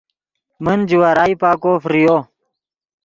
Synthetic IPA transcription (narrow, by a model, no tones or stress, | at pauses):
mənd͡ʑiwaːɾaːipaːkoːfɾijoː